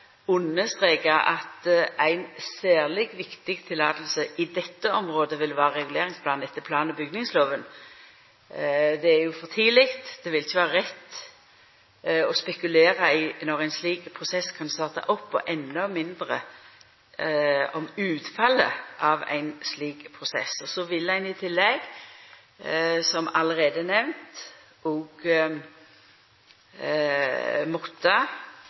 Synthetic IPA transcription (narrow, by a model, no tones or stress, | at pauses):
ʊnːəst̪ʁeːkəɑt̪æɪnsæːʁlɪɡʋɪkt̪ɪɡt̪ʰɪlɑːt̪l̩səɪd̪ɛt̪ːəɔmʁoːd̪əʋɪlʋæːʁəʁɛɡʉleːʁɪŋspʰlɑːnɛt̪ːəpʰlɑːnəbʏɡnɪŋsloːʋən | d̪ɛæɾjʊfɔʁt̪ʰiːlɪkt̪d̪̥ɛʋɪlɪçəʋɑːʁəʁɛt̪ː | ɔspɛkʉleːʁɑɪnɔʁæɪnsliːkpʰʁʊsɛskʰɑnst̪ɑːʁt̪ɑ̰ʔɔpːɔ̰ʔɛnːɔmɪnd̪ʁə̰ | ɔmʉːt̪fɑlə̰ʔɑʋæ̰ɪnsliːkpʰʁʊsɛ̰sɔsɔʋɪlæɪnɪt̪ʰɪlːɛɡ | sɔmɑləʁeːd̪ənɛʋnt̪ | ɔɡ | mɔt̪ːə